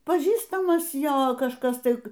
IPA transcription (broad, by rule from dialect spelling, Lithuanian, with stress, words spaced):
pɐˈʒʲiːstɐmɐs ˈjoː kɐʃˈkɐs ˈtɐɪ